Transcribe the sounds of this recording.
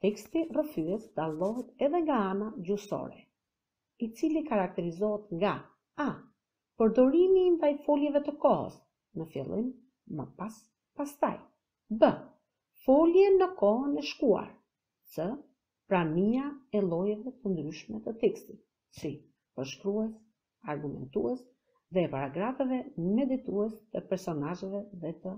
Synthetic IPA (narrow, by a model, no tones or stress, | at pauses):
t̪ɛkst̪irəfyɛt̪d̪alˠɔɦɛt̪ɛðɛŋɡaanad͡ʑusɔ̰ɾɛ̰ | it͡silikaɾak̚t̪ɛɾizɔɦɛt̪ŋɡa | a | pəɾd̪ɔɾimind̪ajfɔljɛvɛt̪əkɔɦə̰s | nəfjɛ̰lˠimː | ə̰pas | past̪a̰j | bə | fɔljɛnəkɔnɛʃkua̰ɾ | sə | pɾaniaɛlˠɔjɛvɛt̪ənd̪ɾyʃmɛt̪ət̪ɛkst̪it̪ | si | pəɾʃkɾuɛs | aɾɡumɛ̰nt̪uɛs | ðɛːpaɾaɡɾafɛvɛmɛd̪it̪uɛst̪əpɛɾsɔnaʒɛvɛðɛt̪ə